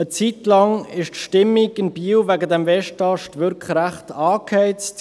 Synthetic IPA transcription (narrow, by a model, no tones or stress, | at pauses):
ət͡sit̪lɑŋɪʃtʃtɪmːiɡɪnbiːwvæɡədɛmvɛʃtɑʃtʋʏɾkχɾæχtɑːkʰhɛɪtt